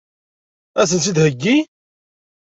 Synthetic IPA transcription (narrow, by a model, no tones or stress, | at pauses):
æθənt͡sid̪həɡːi